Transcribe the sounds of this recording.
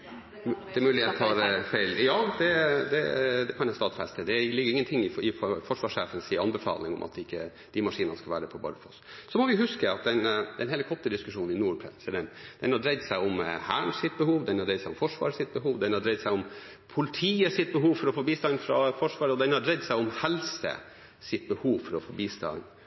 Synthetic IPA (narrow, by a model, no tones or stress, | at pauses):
d̪ɛmʉːlɪeːt̪ɑɾfæɪljɑːd̪ɛd̪ɛd̪ɛkʰɑnjæst̪ɑːt̪fɛ̰st̪əd̪ɛlɪɡːəɾɪŋːənt̪ʰɪŋːɪɪfɔʂʋɑːʂeːfənsɪɑnbɛfɑ̰ːlɪ̰ŋɔ̰mʔɑ̰t̪ɪkːə | d̪̥ɪmɑʂiːnənəskɑlʋæ̰ːɾəpʰɔbɑ̰ɾəfɔssɔmɔʋɪhʉskəɑt̪̚d̪ɛnd̪ɛnhɛləkʰɔt̪ːəd̪ɪskʉʂuːn̩ɪnuːɾpʰɾɛ̰səd̪ɛnd̪̥ɛnhɑd̪ɾɛɪd̪sæɪɔmhæːɳsɪt̪̚bəhuːʋd̪ɛnhɑd̪ɾɛɪsæɪʊmfɔʂʋɑ̰ːɾsɪt̪̚bəhuːʋd̪ɛnhɑɖ̪ɾɛɪd̪sæɪɔm | pʰʊlɪt̪ʰiːəsɪt̪̚bəɦuːʋfɔɾɔfobiːst̪ɑnfɾɑfɔʂʋɑːɾəɔd̪ɛnhɑɖɾɛd̪sæɪɔmhɛlsə̰ | sɪt̪̚bəhuːʋfɔɾɔfɔbiːst̪ɑ̰n